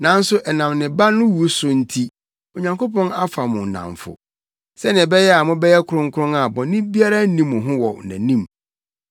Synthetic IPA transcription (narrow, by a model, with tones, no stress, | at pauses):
nã˨˦n̩˦sʊ˦ʔɛ˨nã˨mnɪ̃˨ba˦nʊ̃˦wu˨˦sʊ˨n̩˦tʰi˦ | o˨ɲã˨ŋko˦pɔ̃˦na˦fa˨mʊ̃˨n˨nã̰˨ɱfʊ̰˨ | sɛ˦nɪ̃˨bɛ˦jɛ˦a˨mʊ̃˦bɛ˦jɛ˦kʰʊ˨˦ʊ̃˦ŋ̩˦kʰʊ˦ʊ̃˦ŋa˨bɔ̃˨nĩ˦bi˦a˦ɾa˦nĩ˦mːʊ̃˨ɦʊ̃˦wɔ˨næ̰̃˨nĩ˦m